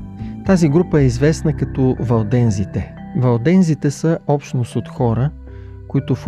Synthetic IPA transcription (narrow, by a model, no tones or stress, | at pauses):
t̪aziɡɾupəɛizvɛsnəkɐt̪ɔvɐlˠd̪ɛnzit̪ɛ | vɐlˠd̪ɛnzit̪ɛsəɔpʃt̪nost̪ot̪xɔɾə | koit̪ʊf